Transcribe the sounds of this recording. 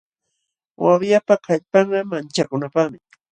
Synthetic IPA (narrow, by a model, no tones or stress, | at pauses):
wawjapakʰaʎpɑɴɢɑmant͡ʃakʊnapaχmɪ